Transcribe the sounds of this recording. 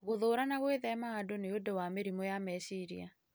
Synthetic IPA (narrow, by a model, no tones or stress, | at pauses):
ɣoðoːɾanaɣweðɛmaadoneodowameɾimɔjamɛsiɾḭa